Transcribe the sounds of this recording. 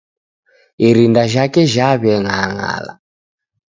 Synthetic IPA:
iɾindaʒakɛʒaβɛŋaɦaŋa̰ːla̰

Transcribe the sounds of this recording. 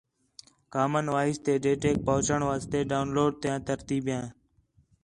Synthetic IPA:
kaːmənʋaːɪst̪eːɖeːʈeːk̚pəɦʊt͡ʃəɳʋaːst̪eːɖaːʊnloːɖ̚t̪jãːt̪əɾt̪iːbjãː

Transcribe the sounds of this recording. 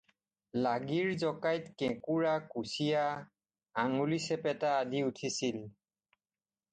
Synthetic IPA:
laɡiɹzɔkajtkɛ̃kuɹakusija | aŋulisɛpɛtaːdiutʰisil

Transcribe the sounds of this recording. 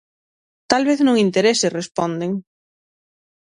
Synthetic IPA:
t̪alβeθnõŋint̪eɾeserespɔ̃nd̪eŋ

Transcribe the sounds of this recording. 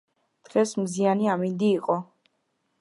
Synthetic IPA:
d̪̥ʁɛsmzianiamind̪iːqʼɔ

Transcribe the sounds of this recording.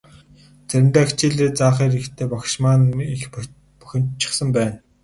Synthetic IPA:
t͡sæɾʲɪ̆mt̪aːkt͡ɕiːɮeːt͡saːχiːɾixt̪ʰeːpɔkʃmaːnix | pɔ̥xʲɪ̆mt͡ɕɪ̥̆χsə̆mpæːn

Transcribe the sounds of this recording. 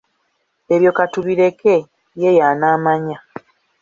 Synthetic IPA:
e̞βjo̞katuβiɾe̞ke | je̞janaːmaɲa

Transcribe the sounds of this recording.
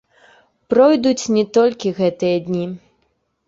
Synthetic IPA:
pɾɔjd̪ut͡sʲnʲɛt̪ɔlʲkʲiɣɛt̪ɨjɐd̪ʲnʲi

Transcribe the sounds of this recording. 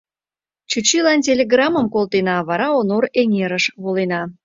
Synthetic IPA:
t͡ɕut͡ɕilɑntʲelʲeɣrɑməmkolt̪enɑβɑɾɑonoɾeŋeɾəʃβolenɑ

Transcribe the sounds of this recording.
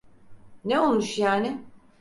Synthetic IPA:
neolˠmuʃjaːnɪ

